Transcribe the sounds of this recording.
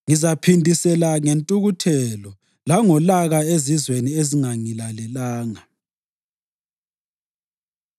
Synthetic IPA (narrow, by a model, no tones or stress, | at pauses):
ŋizapʰindʱʼisɛlaŋentʼuɣutʰɛlɔ | laŋɔlaɣaezizwenieziŋaŋilalɛlaːŋa